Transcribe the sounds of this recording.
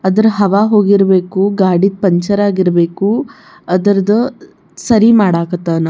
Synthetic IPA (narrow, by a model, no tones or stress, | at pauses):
ɐd̪ɐɾɐɦɐʋaːɦo̞ːɡiɾɐbe̞ːkuɡaːɽid̪̚pɐɲt͡ʃɐɾaːɡiɾɐbeːku | ɐd̪ɐɾɐd̪ɐ | sɐɾimaːɽaːɡɐt̪ːaːnɐ